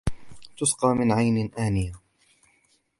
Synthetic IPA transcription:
t̪ʊsqɑːmɪnʕajnɪʔaːnɪja

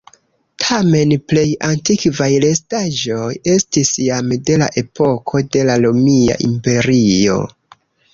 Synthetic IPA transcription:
tʰame̞nple̞jantikvajle̞staʒo̞je̞stisjamde̞la̰ʔe̞po̞kʰo̞de̞lalomia̰ʔimpe̞ɾio̞̰

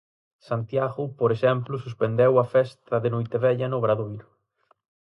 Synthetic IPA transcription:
sant̪jaɣʊpoɾesɛmplʊs̬uspend̪ewɐfɛst̪ɐðenojt̪eβɛʎɐnʊβɾaðojɾʊ

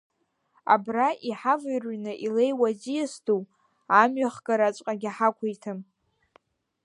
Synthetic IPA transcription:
a̰braʔiħavɨjrɥnɨʔilejwazijasdu | amɥaχɡaɾat͡ʃʷʼqʼaɡʲaħakʷʰejtʰɨm

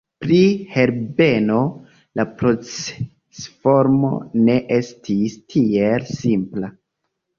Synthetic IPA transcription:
pɾihe̞ɾbe̞no̞ | lapɾo̞t͡se | sfo̞ɾmo̞̰ne̞ʔe̞stʰistʰie̞lsimpla

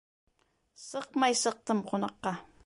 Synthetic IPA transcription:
sɤq̚mɑjsɤq̚t̪ɤmqonɑqːɑ

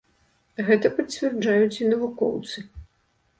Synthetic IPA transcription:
ɣɛt̪ɐpɐt͡sʲvʲɛrd͡ʐajut͡sʲinɐvukɔ̰wt̪sɨ

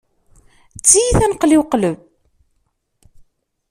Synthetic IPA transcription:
t͡sːijiθænəqliwqləb

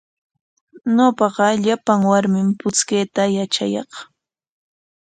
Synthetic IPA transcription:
ɲopɑɢɑʎapaŋwaɾmɪmpʊt͡skeːt̪ajat͡ʃa̰jɑ̰χ

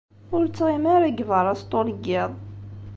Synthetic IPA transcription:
ʊɾt͡sːʁimæɾæɡvəɾˤɑst̪ˤoləɡɪðˤ

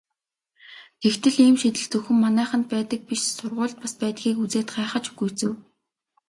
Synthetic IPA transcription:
ɡ̥ext̪ʰɘ̆ɮiːmʃit̪ɘ̆ɮt͡sɵxɵ̆mːanæːχə̆nt̪̚pæːt̪ə̆k̚piʃsʊrʁʊːɮt̪̚paspæːt̪xiːkut͡seːt̪ɢaːχə̆t͡ɕuɡujt͡sɘ̆w

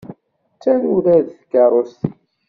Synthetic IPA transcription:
t͡sːænuðæðθkːɑɾˤost̪

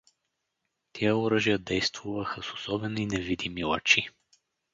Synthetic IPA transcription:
t̪ʰɛjəoɾəʒijəd̪ɛjst̪vuvəxəsosɔbɛninɛvid̪imilˠɐ̰t͡ʃi

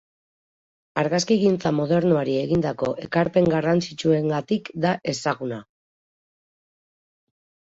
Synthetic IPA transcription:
aɾɣaskiɣint͡samoð̞e̞ɾnoaɾie̞ɣind̪ako̞ʔe̞kaɾpe̞ŋɡarant͡sit͡ʃue̞ŋɡat̪ikd̪aʔe̞saɣuna

